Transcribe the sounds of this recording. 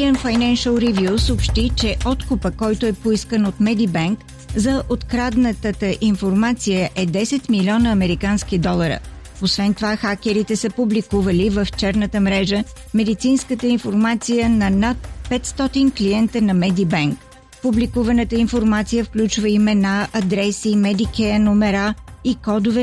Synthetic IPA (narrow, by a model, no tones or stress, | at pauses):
ɛnfajnɛnʃəlˠɾivjusopʃt̪it͡ʃɛʔɔt̪kʊpəkɔjt̪oɛpoiskənot̪mɛd̪ibaŋk | zɐʔot̪kɾad̪nət̪ət̪əʔinfoɾmat̪sijəʔɛd̪ɛsɛt̪milʲɔnəːmɛɾikanskid̪ɔlˠəɾə̰ | osvɛnt̪ovaxak̟ʲɛɾit̪ɛsəpublikuvəlivəft͡ʃɛɾnət̪əmɾɛʒəmɛd̪it̪sinskət̪əinfoɾmat̪sijənɐnat̪̚pɛt̪st̪ɔt̪iŋkliɛnt̪ənɐmɛd̪ibɛŋk | publikuvɐnət̪əinfoɾmat̪sijəfklʲut͡ʃvəimɛnaʔɐd̪ɾɛsimɛd̪ikʲɛnomɛɾaikɔd̪ovɛ